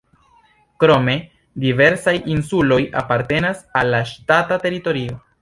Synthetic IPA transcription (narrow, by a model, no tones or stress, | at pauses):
kɾo̞me̞ | dive̞ɾsajinsulo̞ja̰paɾte̞nasalːaʃtatate̞ɾito̞ɾio̞